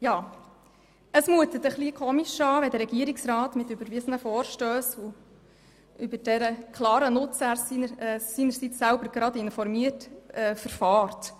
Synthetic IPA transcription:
jɑː | əsmuət̪ət̪əχlikʰɔmiʃɑːʋɛdəɾɛɡiəɾɪksɾɑːt̪mɪtʉbəɾʋɪsən̩əfɔːɾʃtøːso | ʔybədɛɾəkʰlɑːɾənʊt͡sæɾsisiːnəɾsit͡sːælbəɾɡɾɑd̪ɪnfɔɾmiətɛfəɾfɑːɾt

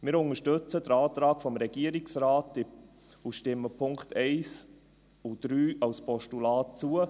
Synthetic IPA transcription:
mɪːɾʊŋəʃtɵt͡sədəɾɑːt̪ɾɑːɡfɔmɾɛɡ̥iəɾɪksɾaːtɪ | uʃtɪmːəpʰʊŋktʰɛɪs | ud̪̥ɾyːɑlspʰɔʃtulɑːt̚t͡suə

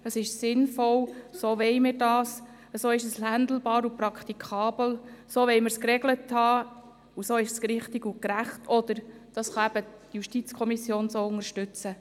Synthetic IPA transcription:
əsɪʃsɪnfɔwsoːʋɛɪmɪːrdɑːs | əsoːɪʃəslænd̪l̩b̥ɑːɾupɾɑkʰt̪ikʰχɑːb̥l̩soːʋɛɪməɾskɾɛɡləthɑː | usoːɪʃsɾɪχtɪɡukɾæχtʰɔd̥̪əɾd̥ɑsχɑæb̥ətjuʃtit͡skʰɔmisjoːnsoːʊŋəɾʃtʉt͡sə

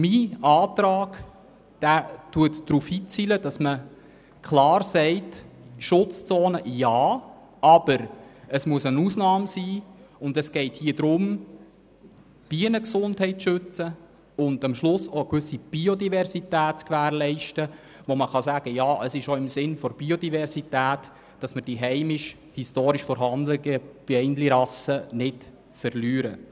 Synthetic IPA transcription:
miɑːtɾɑːɡ̥ | d̥æːtuətd̥ɾuːfhiːt͡siːləd̥ɑsmə | kʰlɑːɾsɛɪtʃʊt͡st͡sɔːnəjɑː | ɑb̥əɾəsmuəsənuːsnɑːmsiːʊndəsɡ̥ɛɪthiːədɾʊm | b̥iənəksʊndhɛɪtʃʏt͡sə | ʊndɑmʃlʊsokʋʏsːib̥iodivɛɾsitæːtt͡skʋæːɾlɛɪʃtə | ʋoməχɑsæːɡ̥əjɑːʔəsɪʃoɪmsɪnfɔɾb̥iodivɛɾzitæːt | d̥ɑsməɾd̥iɦɛɪmɪʃ | histoːɾiʃfɔɾɦɑndləɡəb̥ɛɪndliɾɑsənɪt | fəɾlyːɾə

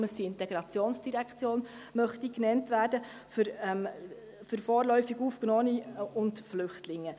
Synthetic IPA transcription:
məsiɪntɛɡɾɑt͡sjoːnsd̥iɾækt͡sjoːnmœχtiknɛntʋæːdəfʏɾɛm | fʏɾfɔːɾlœʏfiɡuːfknɔːniʊntflʏχtlɪŋːə

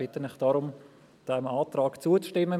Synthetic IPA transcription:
ɪt̪ənɪχd̥aɾʊm | d̥ɛmaːtɾaːkt͡suət͡sʃtɪmːə

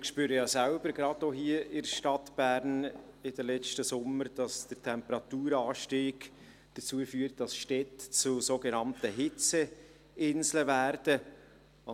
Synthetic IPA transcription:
ɪkʃpyːɾəjɑːsælb̥əɾɡɾɑdoɦiəɪdʃtɑtb̥æɾnɪdəlɛt͡ʃtəsʊmːəɾd̥ɑsd̥əɾtʰɛmpəɾɑtuːɾɑːʃtiːɡ̥ | d̥ət͡suːəfyːəɾt̚d̥ɑsʃtɛtt͡sʊsoːɡɛnɑntəɦɪt͡sə | ʔɪnzləvæɾd̥ə

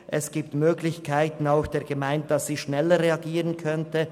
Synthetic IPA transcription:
ʔɛsɡ̥iːp̚tmøːɡlɪçkʰaɪtn̩aʊxd̥eːɐɡəmaɪndd̥asz̥iːʃnɛləʁeaɡiːʁənkʰœntə

